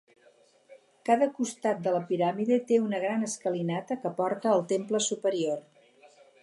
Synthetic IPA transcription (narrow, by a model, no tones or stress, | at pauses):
kaðəkust̪at̪̚d̪ələpiɾamiðit̪eunəɣ̞ɾanəskəlinat̪əkəpɔɾt̪əːlˠt̪empləsupəɾior